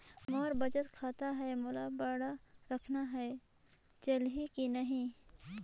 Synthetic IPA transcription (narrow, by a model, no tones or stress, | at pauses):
mɔːɾbɐd͡ʒət̪kʰaːt̪aɦɛemʊlabəɽaɾɐkʰnaɦɛe | t͡ʃəlɦikinɐɦĩ